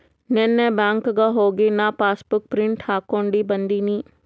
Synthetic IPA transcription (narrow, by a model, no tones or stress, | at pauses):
nɛ̃nːɛ̃bãːŋkɡaɦoːɡenapaːsbʊk̚pɾɪ̃ɳʈhaːkoːɳɖiːbɐ̃nd̪iːnĩː